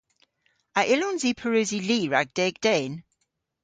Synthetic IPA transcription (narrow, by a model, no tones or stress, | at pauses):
aʔɪlɔnziːpʰəɹʉːziliːɹaɡ̚d̥ɛːɡ̚d̥ɛn